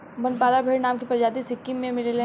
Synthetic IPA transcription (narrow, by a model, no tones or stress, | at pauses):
bɐnpaːlabʱeːɽnaːmkipɐɾd͡ʒaːd̪isɪkːimːẽmɪlele